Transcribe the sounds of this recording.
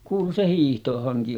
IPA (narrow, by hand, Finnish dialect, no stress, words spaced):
kuːlu se hiːhtohɑŋki